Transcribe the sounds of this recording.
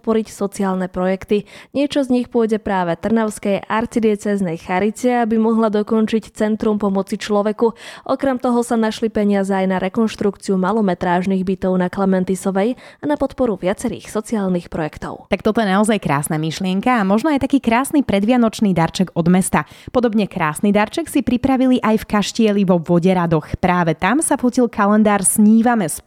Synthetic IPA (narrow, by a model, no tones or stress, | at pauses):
pɔɾicsɔt͡siaːlnɛpɾɔjɛkt̪iɲɪɛt͡ʃɔzɲixpʊɔjɟɛpɾaːʋɛt̪r̩naʊskɛjʔaɾt͡sid̪ɪɛt͡sɛznɛjxaɾit͡sɛabimɔɦlad̪ɔkɔnt͡ʃict͡sɛnt̪ɾumpɔmɔt͡sit͡ʃlɔʋɛkuʔɔkɾɛmt̪ɔɦɔsanaʃlipɛɲɪazɛajnaɾʔɛkɔnʃt̪ɾukt͡siumalɔmɛt̪ɾaːʒniɣbit̪ɔʊnaklamɛnt̪isɔʋɛjanapɔt̪pɔɾuʋɪat͡sɛɾḭːxsɔt͡siaːlnixpɾɔjɛkt̪ɔ̰ʊt̪ak̚t̪ɔt̪ɔjɛnaɔzajkɾa̰ːsnamiʃlɪɛŋkaːmɔʒnɔajt̪akiːkɾaːsnipɾɛd̪ʋɪanɔt͡ʃniːd̪aɾt͡ʃɛɡɔd̪mɛst̪apɔd̪ɔbɲɛkɾaːsnid̪aɾt͡ʃɛksipɾipɾaʋiliʔajfkaʃcɪɛliʋɔʋɔɟɛɾad̪ɔxpɾaːʋɛt̪amsafucilˠkʰalɛnd̪aːɾsɲiːʋamɛs